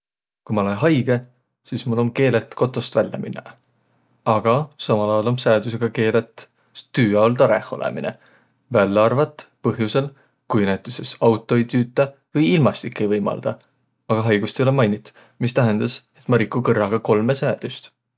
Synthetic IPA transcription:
kujmɑlenɦɑjɡ̥e̞ | siːsmulo̞mke̞ːlet̪ˑko̞t̪ːˑo̞st̪vælʲːɑ̰mʔinːɑ | ɑɡ̥ɑsɑmɑlɑjɑlo̞msæːd̪us̬e̞ɡ̥ɑke̞ːlet̪ˑ | t̪yːɑolt̪ɑɾḛhˑolʔḛmḭnḛ | vælːeɑrvɑt̪ːˑpɤɦjuse̞l | kujnet̪ːˑuse̞sɑwt̪ˑːo̞jt̪yːt̪ːˑɑ | vɤjilmɑst̪ikːˑe̞jvɤjmɑ̰ld̪̥ɑ | ɑɡ̥ɑɦɑjɡ̥ust̪ejolemɑjnʲit̪ːˑ | mist̪æɦend̪̥ɑse̞t̪mɑɾikːˑukɤrːɑɡ̥ɑko̞lmesæːd̪̥yst̪

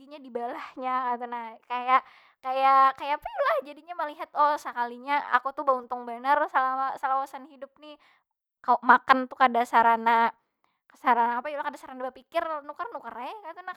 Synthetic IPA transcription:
ɡiɲadibalahɲakat̪unahkajaʔ | kajakajapajulahd͡ʒadiɲaməliɦat̪ɔsəkaliɲaa̰kut̪ubaunt̪ʊŋbənərsalawasalawasanhidʊp̚ni | kaoʔmakant̪ukadasaɾana | ksaɾanaːpajulahkadasaɾanabapikɪrnukərnukərakat̪una

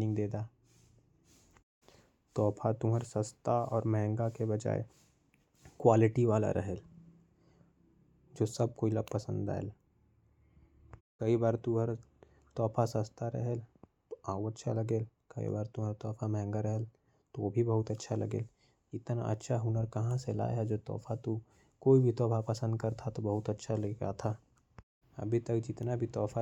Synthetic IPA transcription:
nɪ̃ŋɡd̪eːd̪a | t̪ɔːpʰat̪ʊɦəɾsəst̪ʰaɔːɾmɛɦɛ̃ŋɡakebɐd͡ʒa̰ːḛ | kwaːlɪʈiʋaːla̰ɾʔɐ̰ɦɛl | d͡ʒoːsɐb̚koːiləb̚pɐsə̃nd̪a̰ːḛl | kɐibaːɾt̪ũɦəɾ | t̪ɔːpʰasəst̪ʰaɾɐ̰ɦɛlt̪oaːuətːʃʰaləɡeːlkɐḭbaːɾt̪uɦəɾt̪ɔːfʰamɛɦɛ̃ŋɡaɾəɦɛl | t̪oobʱibɐɦʊt̪ətːʃʰalɐ̰ɡḛːl | ɪt̪na̰ʔə̰tːʃʰaɦʊnəɾkɐɦãsela̰ːjɦɛd͡ʒoːt̪ɔ̰ːfʰat̪u | koːibʱit̪ɔːfʰapəsə̃nd̪kɐɾt̪ʰat̪obɐɦʊt̪ɐtːʃʰalɡa̰t̪ʰa | ɐ̰bʱit̪ək̚d͡ʒɪt̪nabʱit̪ɔːfʰa

